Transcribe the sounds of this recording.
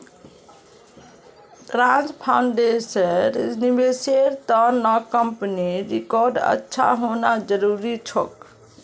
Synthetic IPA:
tɾãnspʰaʊɳɖesəɾnibeseɾt̪ɔnɔkəmpəniɾikɔɾɖə̰tːʃʰa̰ɦonad͡ʒəɾuːɾit͡ʃʰɔ̰k

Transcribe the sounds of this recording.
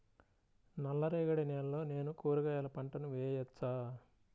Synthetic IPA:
nɐlːɐɾeːɡɐɽineːlːo̞ːne̞ːnukoːɾuɡɐːjɐːlɐpɐɳʈɐnuʋɛːjɐt͡ʃːaː

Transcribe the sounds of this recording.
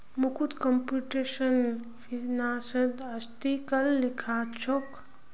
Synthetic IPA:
mukʰut̪kəmpuʈesən | pʰiɾnaːsəd̪əst̪ikəlːikʰat͡ʃʰok

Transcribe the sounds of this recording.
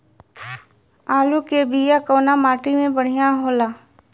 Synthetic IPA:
aːlukebʱijakoːnamaːʈimẽbəɽ̤ijaɦoːlaː

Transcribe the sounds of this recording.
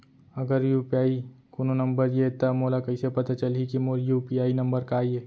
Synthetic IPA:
ɐɡəɾjuːpiaːikunonɐ̃mbəɾjet̪ɐmoːlakɐɪsepɐt̪at͡ʃɐlɦikimojuːpijaːinɐ̃mbəɾkaːieː

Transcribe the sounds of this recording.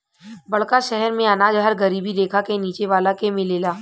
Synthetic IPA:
bɐɭkaʃɛɦɛɾmẽɐnaːd͡ʒɦəɾɡɐɾiːbid̪eːkʰakeniːt͡ʃeʋaːlakemɪleːlaː

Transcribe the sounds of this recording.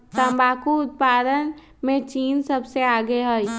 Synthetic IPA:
t̪əbaːkuʊt̪̚paːd̪ən | mẽt͡ʃiːnsəbseaːɡeɦəj

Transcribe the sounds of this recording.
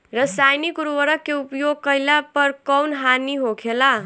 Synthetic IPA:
ɾəsajnikuɾuʋəɾəkːeupjoɡ̚kəjlapəɾkʌwnɦaniɦokʰela

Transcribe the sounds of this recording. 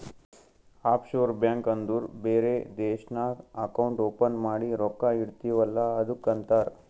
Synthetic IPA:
aːpʰʃoːɾbjaːŋkɐnd̪uːɾbeːɾed̪eːʃnaɐkɐwuɳʈoːpɐnmaːɽiɾɔkːaiɽt̪iʋɐlːaɐd̪ukːɐnt̪aːɾ

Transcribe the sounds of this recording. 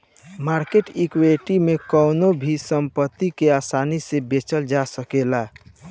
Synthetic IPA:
maɾkeʈikweʈimekɔʊnobʱisəmpət̪ːikeasanisebet͡ʃəld͡ʒasəkela

